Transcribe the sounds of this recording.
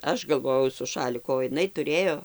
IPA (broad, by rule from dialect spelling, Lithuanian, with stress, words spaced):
ˈɐʃ ɡɐlˠˈʋoːjɛʊ sʊ ˈʃɑːlʲɪkʊ oː jɪˈnɐɪ tʊˈrʲeːjoː